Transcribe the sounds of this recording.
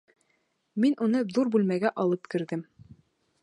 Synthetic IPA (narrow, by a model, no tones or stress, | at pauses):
minʔunɤðuɾbʉlmæɡæʔɒlˠɤpkɘ̆ɾðɘm